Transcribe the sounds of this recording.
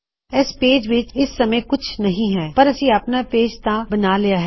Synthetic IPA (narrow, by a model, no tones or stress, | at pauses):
ɛspeːd͡ʒʋɪt͡ʃɪsːɐməjkʊt͡ʃʰnɐɦĩɦɛːpɐɾɐsĩɐpnapeːd͡ʒt̪ãbɐnaːlejaɦɛː